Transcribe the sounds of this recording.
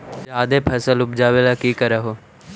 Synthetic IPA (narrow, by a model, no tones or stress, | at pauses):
d͡ʒaːd̪eːpʰəsəlʊp̚d͡ʒaːʋelaːkiːkəɾaɦoː